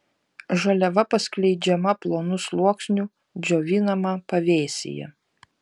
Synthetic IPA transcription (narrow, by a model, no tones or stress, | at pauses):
ʒɐlʲɛʋɐpɐsklʲɛɪd͡ʒʲɛmɐplˠoːnʊslˠuɔksʲnʲu | d͡ʒʲoːʋʲinɐmɐpɐʋʲeːsʲɪ̰jɛ̰